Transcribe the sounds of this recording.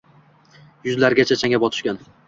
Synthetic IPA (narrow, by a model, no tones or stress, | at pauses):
jʊzlaɾɡʲat͡ʃʰat͡ʃʰaŋʲapɒt̪ʰɪ̥ʃkʲan